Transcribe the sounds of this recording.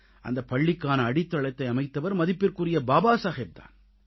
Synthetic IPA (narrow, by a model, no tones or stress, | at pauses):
ʔɐ̰nd̪ɐpːɐɭːɪkːaːnɐːɽɪt̪ːɐɭɐɪt̪ːɐɪɐmɐɪt̪ːɐʋɐɾmɐðɪpːɪrkɯrɪjɐbaːbaːsaːɣeːb̚t̪a̰ːn